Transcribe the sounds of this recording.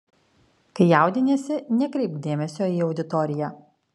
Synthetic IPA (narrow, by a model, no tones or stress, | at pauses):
kɐɪjaˑʊd̪ʲɪnʲɛːsʲɪnʲɛkɾʲɛɪp̚d̪ʲeːmʲɛsʲoːiːɒʊd̪ʲɪt̪ɔɾʲɪjæː